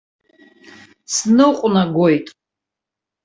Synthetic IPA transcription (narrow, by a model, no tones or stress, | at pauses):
snɨqʷʼnaɡʷojtʼ